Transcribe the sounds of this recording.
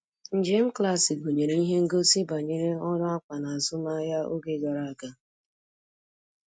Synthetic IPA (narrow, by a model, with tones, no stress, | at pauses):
n̩˨d͡ʒe˦m̩˦kla˦sɪ˨ɡo˨ɲe˨ɾe˨˦i˦ɦe˦ŋ̩˦ɡo˦si˦ba˨ɲe˨ɾe˦ɔ˦dʊ˦a˦kʷa˨na˨a˨zʊ˦ma˦ja˦ʔo̰˦ɡe˨ɡa˨ɾa˨a˨ka˦